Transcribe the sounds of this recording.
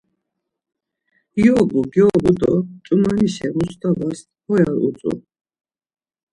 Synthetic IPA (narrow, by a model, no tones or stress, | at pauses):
jɔbuɡjɔbud̪ɔt͡ʃʼumaniʃɛmust̪ʰʼabas | hɔjaɾṵt͡s̪ʼṵ